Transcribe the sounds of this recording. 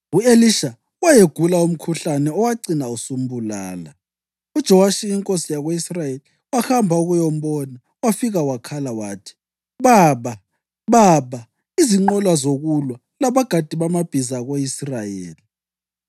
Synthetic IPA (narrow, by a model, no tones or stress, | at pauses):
ueliʃa | wajeɡ̥ʱulaum̩kʰuɬanɛɔwaǀinausum̩bula̰ːla̰ | ud̥ʒ̥ʱɔwaʃiiŋkʼosijaɣoisrajeli | waxambʱauɣujɔm̩bɔna | wafiɣawakʰalawaːtʰi̥ | βaːβa | βaβa | iziŋ͡ǃɔlwazoɣulwa | laβaɡ̥ʱad̥ʱiβamab̥ʱizaɣoisrajḛːli